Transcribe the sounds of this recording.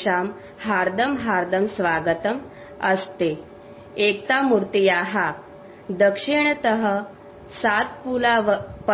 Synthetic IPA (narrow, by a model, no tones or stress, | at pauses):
am | haɾd̪ʱəmɦaɾd̪ʱəmsʋaɡət̪əm | əst̪e | ek̚t̪amuɾt̪ijaɦa | d̪əkʂiɳ̃t̪əɦə | sat̪̚pulaʋpə